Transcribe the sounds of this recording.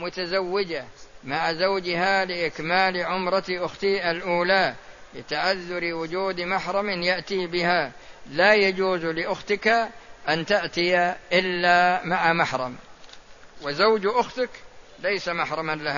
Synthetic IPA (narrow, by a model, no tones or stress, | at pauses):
mʊt̪azawːɪd͡ʒamaʕazawd͡ʒɪhalɪʔɪkmaːlʕʊmɾˤɑt̪ʔʊxt̪ialʔuːlalɪt̪aʕaðːʊɾwʊd͡ʒuːd̪maħɾˤɑmɪnjaʔt̪ibɪha | lajad͡ʒuːzlɪʔʊxt̪ɪkaʔant̪aʔt̪ɪjaʔɪlːamaʕamaħɾˤɑm | wɪzawd͡ʒʔʊxt̪aklajsamaħɾˤɑmanlah